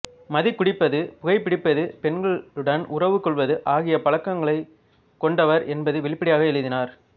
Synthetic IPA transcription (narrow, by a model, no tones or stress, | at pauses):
mɐðɪkːʊɽɪpːɐðɯpʊɣɐɪpːɪɽɪpːɐðɯpɛnɡɐɭɯɽɐnʔʊrɐʋɯkːɔɭʋɐðɯʔaːɣɪjɐpɐɭɐkːɐŋɡɐɭɐɪ | kːɔɳɖɐʋɐɾʔɛnbɐðɯʋɛɭɪpːɐɽɪjaːɣɐɛɭɯðɪnaːɾ